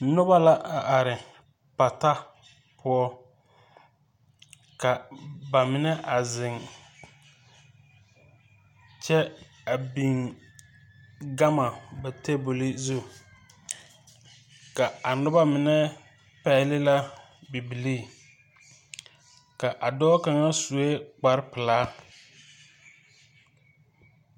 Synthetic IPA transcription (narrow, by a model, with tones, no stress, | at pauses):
nʊ˦ba˦la˦ʔa˨ʔa˨ɾɪ˨ | pa˨ta˦ | pʰʊ˦ɔ˦ | ka˨ba˨mɪ˨nɛ˦ʔa˨zɪ˨ŋ | t͡ʃɛ˦ | a˨bi˨ŋ | ɡa˦ma˨ba˨te˦bo˨li˦zu˦˨ | ka˨a˨nʊ˦ba˦mɪ˨nɛ˦ | pɛ˨˦˨lɪ˦la˦ | bi˨bi˨liː˦ | ka˨ʔa˨dɔː˦ka˨ŋa˦su˨e˦k͡pa˨ɾpɪ˨laː˦